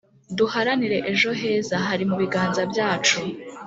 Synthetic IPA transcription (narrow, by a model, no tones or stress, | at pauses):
duhaɾaniɾe̞ʔeʒo̞ɦe̞ːzaɦaɾimuβiɡaːnzabjaːt͡ʃu